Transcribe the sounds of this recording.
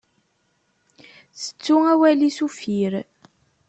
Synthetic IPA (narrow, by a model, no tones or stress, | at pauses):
θə̥t͡sːuæwælisufiɾ